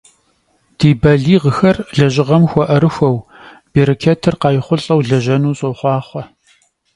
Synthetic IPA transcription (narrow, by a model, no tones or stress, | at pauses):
d̥iːbɐɮiːʁəxɐrɮɐʑɪʁɐmxʷɔʔɐɾɨxʷɐw | b̥iːɾɐkʲʰɐtʰɨrqɑːjɪχʷʊɬʼɐwɮɐʒɐnuːɕʼoχʷɑːχʷɐ